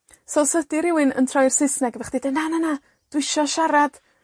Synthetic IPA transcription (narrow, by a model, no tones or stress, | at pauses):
sɔlˠsədiɾɪwɨnə̰ntʰrɔjrsɪsnɛɡvɛχd̥idənanana | d̥wɪʃɔʃaɾad̥